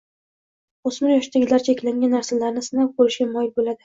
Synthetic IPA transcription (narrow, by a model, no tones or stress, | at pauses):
osmʊɾjɒʃt̪ʰaɡʲɪlaɾt͡ʃʰekʲlaŋɡʲanːaɾsalaɾnɪsɪnafboɾɪʃɡʲamɒjɪlbolad̪ɪ